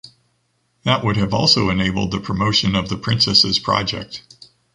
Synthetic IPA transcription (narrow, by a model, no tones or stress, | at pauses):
ðəʔwʊɾɨvɔlˠsoʊɨneɪbl̩ˠd̪̚ðɨpʰɹ̥əmoʊʃɨ̃nʌvðɨpʰɹ̥ɪ̃nsɛsɨz̥pʰɹ̥ɑ̰d͡ʒɛ̰k̚t̚